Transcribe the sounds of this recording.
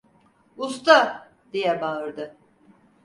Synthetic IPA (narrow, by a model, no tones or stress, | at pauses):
ust̪a | d̪̥ijɛbaɯɾd̪ɯ